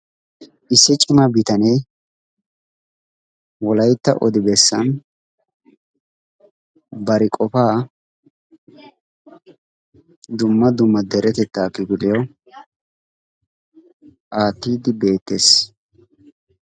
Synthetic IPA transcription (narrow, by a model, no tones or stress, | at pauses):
ʔɪsːɪt͡ʃʼɪmɐbɪt̪ɐnɛj | wɔlɐjt̪ːɐʔɔd̪ɪbɛsːɐn | bɐɾɪkʼɔfaː | d̪ʊmːɐd̪ʊmːɐd̪ɛɾɛt̪ɛt̪ːaːkːɪɡɪlɪjo | ʔaːt̪ːiːd̪ɪbe̞ːt̪ːe̞ːs